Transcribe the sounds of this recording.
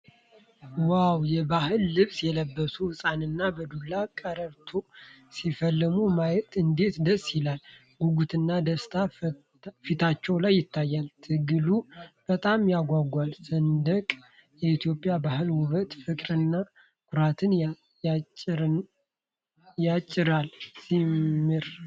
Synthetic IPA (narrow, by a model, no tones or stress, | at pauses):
wawjɛbahɨlːɨβsjɛləbːəsuwɨsʼanɨnːabəd̪ulːakʼəɾəɾt̪ʰo | sifəlːɨmumajɛt̪ʼɨnd̪e̞t̪d̪əsʼjɪlal | ɡuɡut̪ʰɨnːad̪əst̪ʰa | fit̪ʰat͡ʃːɛwlajːɪt̪ʰːajːalt̪ʰɨɡɨlub̥ət̪ʼamjaɡʷaɡʷalsənd̪əkʼ | jɛit̪ʰjo̞pʼːjabahɨlwʊβət̪fɨkʼɾɨnːa | kʰʊɾat̪ʰɨn | jat͡ʃʼːɪɾalsimmːɨɾ